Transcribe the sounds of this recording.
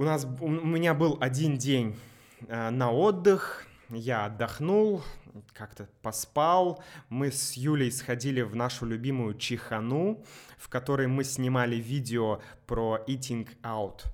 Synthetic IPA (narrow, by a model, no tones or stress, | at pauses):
ʊnas̬ʊmʲɪnʲabɨlˠɐdʲindʲenʲ | ənɐo̞d̪ːɨx | jaɐd̪ːɐxnulˠkakt̪əpɐspalˠmɨsjulʲɪjsxɐdʲilʲɪvnaʂʊlʲʊbʲimʊjʊt͡ɕɪxɐnufkɐt̪o̞ɾəjmɨsʲnʲɪmalʲɪvʲidʲɪo | pɾoit̬ʲɪnkaʊt̪